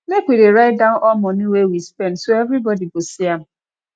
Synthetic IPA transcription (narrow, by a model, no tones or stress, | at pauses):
mekʷideɾaɪt̚dãʊnʔɔmɔnuwewispɛ̃ndsoɛvɾibɔdibosiam̩